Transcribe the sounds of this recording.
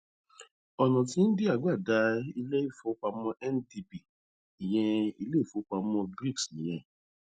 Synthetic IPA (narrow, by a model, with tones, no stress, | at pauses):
ɔ˨nɔ̃˨tĩ˧˦n̩˦de˦a˨ɡ͡ba˦˨da˨˧˦i˧le˦i˦˨fo˨˦k͡pa˧mɔ̃˧ʔɛ˦n˦di˧bi˨ | i˨j̃ɛ̃˧i˧le˦˨fo˨˦k͡pa˧mɔ̃˧bɾi˦˨ksĩ˨j̃ɛ̃˨˧